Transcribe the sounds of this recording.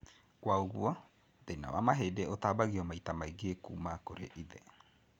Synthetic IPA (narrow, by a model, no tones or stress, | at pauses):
kwaoɣuɔ | ðena̰wa̰maɦedeot̪aːbaɣiɔmaitamaiɡekumakoɾḛʔiðɛ